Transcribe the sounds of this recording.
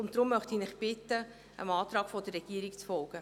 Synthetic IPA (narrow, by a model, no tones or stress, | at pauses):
ʊntd̥̪ɾʊmːœχtinɪχb̥ɪtːə | ə̰mɑːtɾɑːkfɔdərːɛɡ̥iəɾikt͡sfɔlˠɡ̥ə